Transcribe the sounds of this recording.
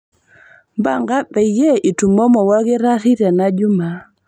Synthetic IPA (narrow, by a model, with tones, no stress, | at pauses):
ba˨ŋɡa˦bɛ˨jɛ˦ʔi˨tu˨mɔ˦mɔ˨wa˦ɡɪ˦ɾa˦ɾi˦ɾa˨na˦d͡ʒʊ˦ma˨